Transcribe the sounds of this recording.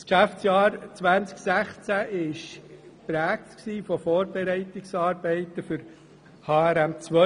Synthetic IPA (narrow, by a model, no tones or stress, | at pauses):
skʃæft͡sjɑːɾt͡sʋænt͡sksæχt͡sæʔɪʃpɾæːk̚t̪ksiːfɔfɔːɾbɛɾɛɪtɪksɑːɾbɛɪt̪əfʏɾ | hɑːæɾæmt͡sʋœ